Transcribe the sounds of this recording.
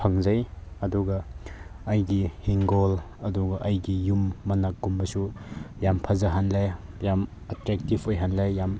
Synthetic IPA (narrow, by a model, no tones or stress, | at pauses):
pʰɐŋzɐjɐduɡɐː | jɡihiŋɡol | ɐduɡɐʔɐjɡijumːɐnakɡumbɐsujampʰɐzɐɦanlajjam | ɐtɾɛk̚tipʰojɦanlajːam